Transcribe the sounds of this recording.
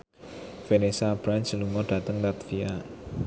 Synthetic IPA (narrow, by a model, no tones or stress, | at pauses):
fenesab̥ɾansəluŋɔɖ̥a̤t̪əŋlat̪fia